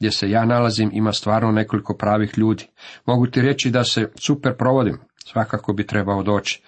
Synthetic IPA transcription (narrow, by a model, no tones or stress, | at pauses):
ɡd̪jesejaːnalazimimast̪ʋaːɾnone̞ko̞liko̞pɾaːʋixʎuːd̪i̥mo̞ɡut̪iɾe̞t͡ʃid̪ase̞supe̞ɾpɾo̞ʋo̞d̪imsʋakako̞bit̪ɾe̞bao̞d̪o̞ːt͡ʃi̥